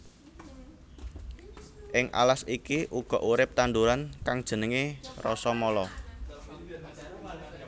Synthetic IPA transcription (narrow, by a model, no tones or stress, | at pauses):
ʔɪŋʔa̰lasikiʔuɡ̥ɔ̤ʔuɾɪp̚t̪and̪uɾankaŋd̥ʒ̥ə̤nəŋerɔ̰sɔmɔlɔ